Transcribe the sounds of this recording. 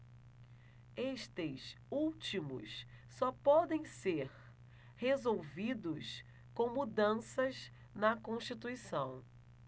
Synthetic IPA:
eʃt̪ɪs | uwt͡ʃimʊ̰ssɔpɔd̪ẽj̃seɾ | hezowvid̪ʊs | kõw̃mud̪ɐ̃sɐz | nɐkõʃt͡ʃit̪uisɐ̃w̃

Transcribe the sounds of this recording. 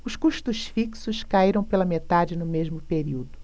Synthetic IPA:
ʊskuʃt̪ʊsfiksʊskaiɾɐ̃w̃pelɐmet̪ad͡ʒɪnʊmeʒmʊpeɾiwd̪ʊ

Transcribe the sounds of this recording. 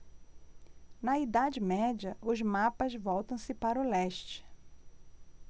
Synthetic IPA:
nɐid̪ad͡ʒɪmɛd͡ʒɐʔʊzmapɐzvɔwt̪ɐ̃w̃sɪpaɾʊlɛʃt͡ʃɪ̥

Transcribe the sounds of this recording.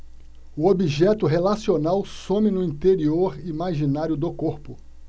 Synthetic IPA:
ʊobiʒɛt̪ʊɦelasionawsõmɪnʊĩt̪eɾioɾimaʒinaɾjʊd̪ʊkoɾpʊ

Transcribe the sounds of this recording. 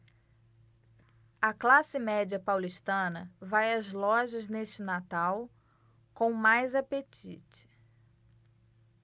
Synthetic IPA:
ɐklasɪmɛd͡ʒiɐpawliʃt̪ɐ̃nɐvajɐzlɔʒɐzneʃt͡ʃɪnat̪aw | kõw̃majzapet͡ʃḭt͡ʃɪ̥

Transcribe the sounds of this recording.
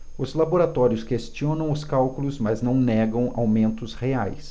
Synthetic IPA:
ʊzlaboɾat̪ɔɾiʊskest͡ʃiõnɐ̃w̃ʊskawkʊlʊzmaznɐ̃w̃nɛɡɐ̃w̃a̰wmẽnt̪ʊsheajs

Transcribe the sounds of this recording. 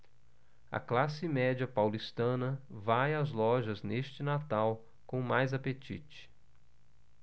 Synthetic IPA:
ɐ̰klasɪmɛd͡ʒɐpawlist̪ɐ̃nɐvajɐzlɔʒɐzneʃt͡ʃɪnat̪aw | kõmajzapet͡ʃḭt͡ʃɪ̥

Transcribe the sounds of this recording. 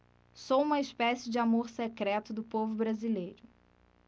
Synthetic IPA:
sowũmɐispɛsɪd͡ʒɪamoɾsekɾɛt̪ʊd̪ʊpovʊbɾazilejɾʊ

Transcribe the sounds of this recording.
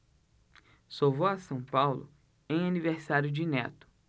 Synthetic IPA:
sowvowasɐ̃w̃pawlʊ̰ | ẽj̃aniveɾsaɾjʊd͡ʒɪnɛt̪ʊ̥

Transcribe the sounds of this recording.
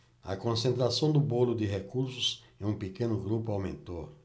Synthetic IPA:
ɐ̰kõsẽnt̪ɾasɐ̃w̃d̪ʊbolʊd̪ɪɦekuɾsʊs | ɛũpekẽnʊɡɾupʊawmḛ̃nt̪oɾ

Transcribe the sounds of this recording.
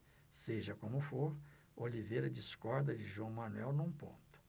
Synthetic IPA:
seʒɐkõmʊfoɾ | olivejɾɐd͡ʒiskɔɾd̪ɐd͡ʒɪʒwɐ̃w̃mɐnuɛwnũpõ̰nt̪ʊ̥

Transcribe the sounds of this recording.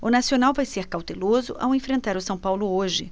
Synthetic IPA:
ʊnasionawvajseɾkawt̪elozʊʔa̰wẽfɾẽnt̪aɾʊsɐ̃w̃pawlʊoʒɪ

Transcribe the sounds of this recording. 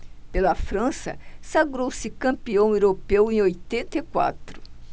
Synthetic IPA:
pelɐfɾɐ̃sɐ̰saɡɾowsɪkɐ̃mpiɐ̃w̃ewɾopewẽj̃ojt̪ẽnt̪ekwa̰t̪ɾʊ

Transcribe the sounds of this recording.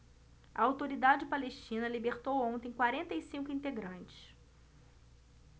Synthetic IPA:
ɐ̰awt̪oɾid̪ad͡ʒɪpaleʃt͡ʃĩnɐlibeɾt̪owõnt̪ẽj̃kwaɾẽnt̪ɐjsĩŋkʊĩnt̪eɡɾɐ̃nt͡ʃɪ̥s

